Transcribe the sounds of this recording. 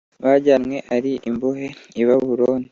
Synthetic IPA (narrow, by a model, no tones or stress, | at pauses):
βaɟamŋweʔaɾiʔimbuɦeiβaβuɾoːni